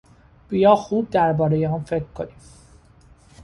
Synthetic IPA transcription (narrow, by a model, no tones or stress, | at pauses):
b̥ijɒːxuːb̚d̪æɾbɒːɾe̞jeɒːnfe̞kʰɾkʰːo̞niːm